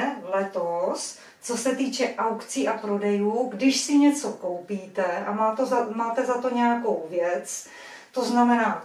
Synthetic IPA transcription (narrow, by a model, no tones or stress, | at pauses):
lɛt̪os | t͡so̞sɛt̪iːt͡ʃɛʔawkt͡siːʔapɾo̞dɛjuːɡdɪʃsɪɲɛt͡so̞ko̞wpiːt̪ɛʔamaːt̪ozamaːt̪ɛzat̪o̞ɲɛjako̞wvjɛt͡s | t̪o̞znamɛnaː